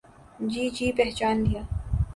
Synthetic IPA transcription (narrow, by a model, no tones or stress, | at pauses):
d͡ʒiːd͡ʒiːpɛɦt͡ʃaːnd̪ijaː